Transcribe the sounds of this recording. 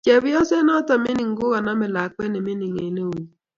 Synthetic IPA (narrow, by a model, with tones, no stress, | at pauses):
t͡ʃɛ˨bɪ˦ɔ˦sɛ˦nɔ˦ta˨mɪ˦nɪ˨ŋ˦ɡʊ˦ɣa˨na˦mɛ˨la˨k̚k͡pɛ˦ne˨mɪ˦nɪ˨ŋe˨ne˦wu˨